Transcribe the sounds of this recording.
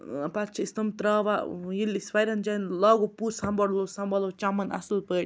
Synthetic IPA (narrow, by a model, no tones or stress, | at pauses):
pɐt͡ʃʰɐist̪ɐmt̪ɾaːʋajilisʋɐjɾɐnd͡ʒɐnlaːɡopuːɾsɐ̃mbɐɽlosɐmbɐlot͡ʃamɐnɐ̰sɐlpəːʈʲ